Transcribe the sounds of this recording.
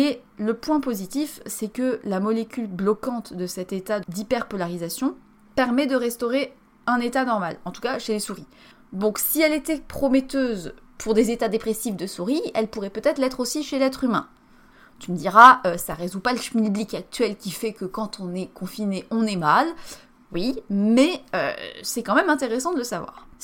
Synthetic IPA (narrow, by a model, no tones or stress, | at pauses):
e | ləpwɛ̃pozit̪ifsɛkəlamɔlekʲylblɔkɑ̃t̪d̪əsɛt̪et̪ad̪ipɛʁpɔlaʁizasjɔ̃ | pɛʁmɛd̪əʁɛst̪ɔʁe | ɛ̃net̪anɔʁmalɑ̃t̪u̥kaʃelesuʁi | d̪ɔ̃ksiɛlet̪ɛpχɔmɛt̪øːz | pʰuʁd̪ezet̪ad̪epχesifd̪əsuʁiɛ̰lpuʁɛpøt̪ɛt̪χlɛt̪χosiʃelɛt̪χymɛ̰̃ | t̪yməd̪iʁaøsaʁezupaləʃminblikak̚t̪ɥɛlkʲifɛkəkɑ̃t̪ʰɔ̃nɛkɔ̃fineʔɔ̃nɛmal | wimɛø̰sɛkɑ̃mɛmɛ̃t̪eʁesɑ̃d̪ələsavwa̰ːʁ